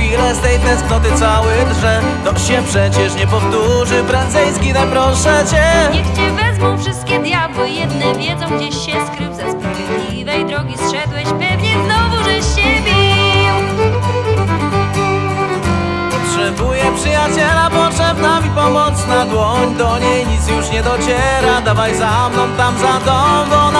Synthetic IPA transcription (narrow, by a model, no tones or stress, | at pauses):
fʲilɛst̪ɛjt̪ɛ̃sknɔt̪̬ɪt̪sawɪʐɛ | t̪ɔɕɛpʂɛt͡ɕɛʂɲɛpɔft̪uʐɘpɾɛnd̪zɛjsɡʲid̪ajpɾɔʂɛt͡ɕɛɲɛxt͡ɕɛvɛzmɔ̃w̃fʂɨst̪̚kʲɛd̪jabwɪjɛd̪nɛvʲjɛd̪zɔ̃w̃ɡd͡ʑɛɕɕɛskɾɪwzɛspɾavʲɛd̪lʲivɛjd̪ɾɔɡʲisʂɛd̪wɛɕpɛvɲɛznɔvuʐɛɕɛbʲjɛ | pɔtʂɛbujɛpʂɨjat͡ɕɛlapɔtʂɛbnamʲipɔmɔt̪snad̪wɔɲd̪ɔɲeɛjɲit̪sjuʂɲɛd̪ɔt͡ɕɛɾad̪avajzamnɔ̃w̃t̪amzad̪ɔvɔn